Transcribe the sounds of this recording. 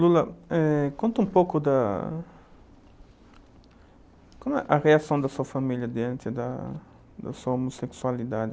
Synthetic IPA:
lulɐɛkõnt̪ũmpokʊd̪ɐ | komɛʔɐreasɐ̃w̃d̪ɐsuɐfamiʎjɐd̪eãnt̪ɪd̪ɐ̰ | d̪ɐ̰suɐomoseksualid̪ad̪ɪ

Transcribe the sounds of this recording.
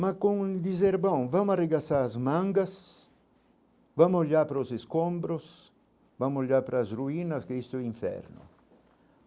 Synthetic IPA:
makoŋld̪izɛɾbɔŋvamareɡasaɾazmaŋɡas | vamoʎapɾoseskombɾʊs | vamoʎapɾaːsruinɐskeist̪iɱfɛ̰ɾnʊ̰

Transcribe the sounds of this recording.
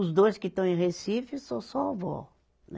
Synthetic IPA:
ʊzd̪ojskɪt̪ɐ̃w̃ẽhesifʊsɐ̃w̃sɔavɔ̰ | n

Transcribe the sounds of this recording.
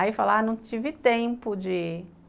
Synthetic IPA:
ifalanɐ̃w̃t͡ʃivɪt̪ẽpʊd͡ʒɪ

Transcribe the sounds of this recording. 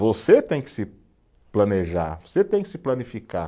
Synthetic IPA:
voset̪ẽj̃kɪ̥sɪ | plɐ̃neʒa̰ɾvoset̪ẽj̃kɪ̥sɪplɐnifika

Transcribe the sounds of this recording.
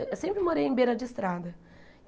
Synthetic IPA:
esẽmpɾɪmoɾejẽj̃beɾɐd͡ʒɪist̪ɾad̪ɐ

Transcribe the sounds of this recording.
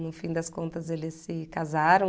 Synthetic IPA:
nʊfĩd̪ɐskõnt̪ɐzelɪsːɪkazaɾɐ̃

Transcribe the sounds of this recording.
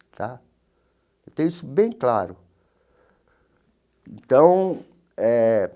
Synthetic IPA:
t̪ʰa | ewt̪ẽj̃isʊbẽj̃klaɾʊ | ẽnt̪ɐ̃w̃ | ɛ

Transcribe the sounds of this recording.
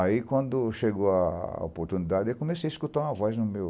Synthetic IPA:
aikwɐ̃nd̪ʊʃeɡowɐo̰poɾt̪unid̪ad͡ʒɪewkõmesejiskut̪aũɐvɔznʊmew

